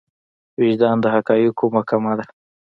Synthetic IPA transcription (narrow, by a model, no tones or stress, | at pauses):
wɪʒd̪ɑːnd̪əɦakɑjukomakamad̪a